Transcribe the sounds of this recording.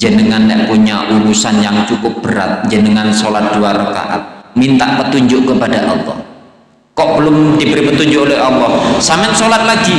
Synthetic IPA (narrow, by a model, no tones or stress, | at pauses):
d͡ʒənəŋanːɛʔpuɲaʔulusanjaŋt͡ʃukʊp̚b̥əɾa̰t̪̚d͡ʒənəŋansolat̪̚d̥uaɾəka̰ʔa̰t̪̚mint̪aʔpət̪uɲd͡ʒʊʔkəpadaʔɑ̰lˠːɔ̰h | kɔʔbəlʊmdibəɾipət̪uɲd͡ʒʊʔolɛɦɑlːɔhsamɛt̪̚solat̪̚laɡi